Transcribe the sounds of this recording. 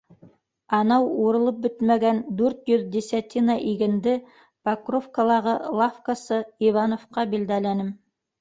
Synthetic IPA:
ɑnɑwuɾɤ̆lˠɤp̚bɵt̪mæɡænd̪ʉɾt̪jɵðd̪isʲæt̪ʲinɑʔiɡɘ̆nd̪ɘ | pakrofkalˠɑʁɤlˠafkasɤivɑnofqɑbild̪ælænɘm

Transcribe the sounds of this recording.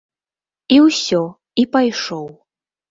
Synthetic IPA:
iwsʲɔ | ipajʂɔw

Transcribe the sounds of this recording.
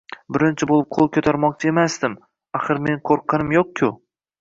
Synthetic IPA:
bɪɾɪnt͡ʃʰɪbolˠɪp̚qʰolˠkʲʰɵt̪ʰaɾmɒq̚t͡ʃʰae̞masd̪ɪm | aχɨɾme̞ŋkʰoɾqʰːɑnɪmjoq̚kʲʰʊ

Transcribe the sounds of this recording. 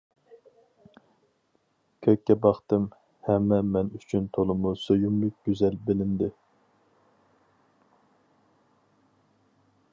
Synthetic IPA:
kʲʰøkʲːɛbɑχt̪ɨm | hɛmːɛmɛnyt͡ʃʰynt̪ʰolˠɨmusøjymlyk̚ʲɡ̥ʲyzɛlbɪlɪnd̪ɪ

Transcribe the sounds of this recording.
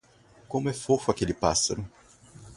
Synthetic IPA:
kõmʊɛfofʊakelɪpasɐɾʊ

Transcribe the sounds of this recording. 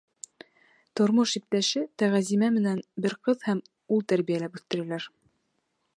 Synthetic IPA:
t̪ŏɾmoʃip̚t̪æʃɘt̪æʁæzimæmɘ̆nænbɘɾqɤðhæm | ulˠt̪æɾβijælæpʉθt̪ɘ̆ɾælæɾ

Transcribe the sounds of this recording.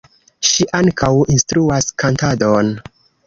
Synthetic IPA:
ʃiʔaŋkʰawinstɾuaskantadon

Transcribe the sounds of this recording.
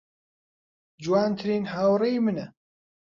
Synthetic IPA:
d͡ʒuwaːnt̪ʰɨɾiːnɦaːwrejmɨnɐ

